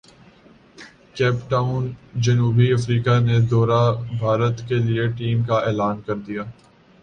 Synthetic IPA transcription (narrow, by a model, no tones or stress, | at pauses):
kɛːpʈaːʊnd͡ʒɐnuːbiɐfɾiːkaned̪ɔːɾabʱaːɾət̪kelieʈiːmkaɛːlaːnkɐɾd̪ijaː